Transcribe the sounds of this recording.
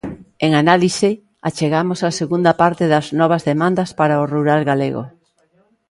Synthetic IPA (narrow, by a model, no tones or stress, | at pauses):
eŋanalise | at͡ʃeɣamosaseɣund̪apaɾt̪eðɐznɔβ̞azðemãnd̪ɐspaɾaoruɾalɣalḛɣo̰